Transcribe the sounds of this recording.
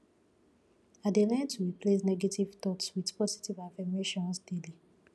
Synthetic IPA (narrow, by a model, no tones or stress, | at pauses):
adelɛ̃ntuwiples̬nɛɡetiv̥t̪ɔtswidpɔsi̥tivafɛmeʃɔ̃nsdeli